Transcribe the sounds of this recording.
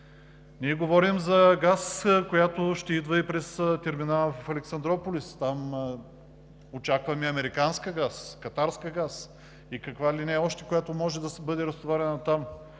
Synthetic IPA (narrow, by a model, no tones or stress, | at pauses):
niɛɡovɔɾimzɐɡaskojat̪oʃt̪ɛid̪vəipɾɛst̪ɛɾminavfɐlɛksɐnd̪ɾɔpolʲist̪am | ot͡ʃakvɐmɛɐmɛɾikanskəɡaskɐt̪aɾskiəɡas | ikɐkvalinɛɔʃt̪ɛ̥kojat̪omɔʒɛd̪ɐsbɤd̪ɛɾɐst̪vaɾʲɛnɐt̪am